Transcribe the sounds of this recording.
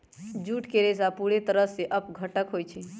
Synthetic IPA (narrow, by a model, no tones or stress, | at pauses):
d͡ʒuʈkeɾesapuɽet̪əɾəseʔəpɡʱəʈəkɦojt͡ʃʰi